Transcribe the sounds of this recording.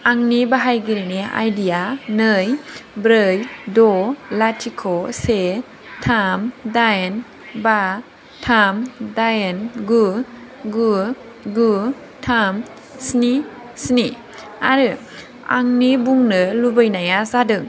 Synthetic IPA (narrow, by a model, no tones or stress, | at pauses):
aŋnibaɦajɡiɾinia̰jdijanɯjbɾɯjdɔlatʰikʰɔse | tʰamdajn | ba | tʰamdajenɡu | ɡu | ɡu | tʰam | sni | sni | a̰ɾɯ | a̰ŋnibuŋnɯlubɯjnajazadɯŋ